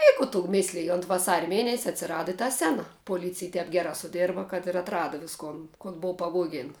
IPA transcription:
ɪ ˈkʊ tʊ ˈmʲɪsʲlʲɪj ʊnt ʋɐˈsɑːrʲɛ ˈmʲeːnʲɛsʲɛ ɐtʲsʲɪˈrɑːdɐ ɪ tɐ ˈsʲæːnɐ poːˈlʲiːt͡sʲɪj ˈtʲɛp ˈɡʲæːrɑː sʊˈdʲeːrbɐ kɐt ɪr ɐtˈrɑːdɐ ʋʲɪsˈkoːn koːn ˈboːʊ pɐˈʋoːɡʲeːn

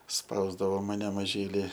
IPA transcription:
ˈspɐʊzdɐʋoː mɐˈnʲɛ mɐˈʒʲiːlʲɪ

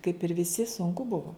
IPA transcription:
kɐɪp ɪr ʋʲɪˈsʲɪ sʊŋˈkʊ ˈbʊʋoː

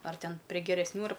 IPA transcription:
ɐr ˈtʲɛn pʲrʲiɛ ɡʲɛrʲɛsʲˈnʲuː ɐr

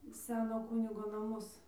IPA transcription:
ˈsʲæːnoː ˈkʊnʲɪɡoː nɐˈmʊs

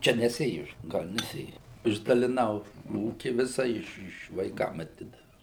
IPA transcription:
ˈt͡ʃʲɛ nʲɛˈsʲeːjʊ ˈɡɐlʲ nʲɛˈsʲeːjʊ ɪʒdɐlʲɪˈnɐʊ ˈuːkʲɪ ˈʋʲɪsɐ ˈɪʃ ˈɪʃ ʋɐɪˈkɐm ɐˈtʲɪdɐʋʲɛʊ

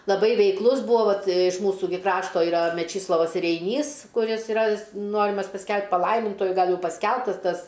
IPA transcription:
lˠɐˈbɐɪ ʋʲɛɪkˈlˠʊs ˈbuːoː ˈʋɐt ɪʃ ˈmuːsuː ɡʲɪ ˈkrɑːʃtoː ɪˈrɐ mʲɛˈt͡ʃʲiːslˠoːʋɐs rʲɛɪˈnʲiːs kʊˈrʲɪs ɪˈrɐ ˈnoːrʲɪmɐs pɐsʲˈkʲɛlˠpt pɐˈlˠɐɪmʲɪntuɔjʊ ˈɡɐlˠ ˈjɛʊ pɐsʲˈkʲɛlˠptɐs ˈtɐs

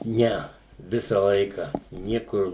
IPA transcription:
ˈnʲɛ ˈʋʲɪsɐ ˈlˠɐɪkɐ ˈnʲiɛkʊr

